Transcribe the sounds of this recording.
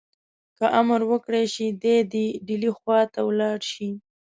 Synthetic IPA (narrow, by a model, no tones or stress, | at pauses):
kəʔaməɾwəkɽeʃid̪ed̪iɖilixwɑt̪awlɑɽʃi